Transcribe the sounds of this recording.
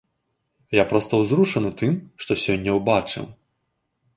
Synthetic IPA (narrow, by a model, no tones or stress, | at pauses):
japɾɔst̪ɐwzɾuʂɐnɨt̪ɨmʂt̪ɔsʲɔnʲːɐwbat͡ʂɨ̰w